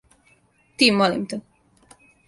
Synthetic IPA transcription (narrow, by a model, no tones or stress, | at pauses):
t̪iːmolḭmt̪e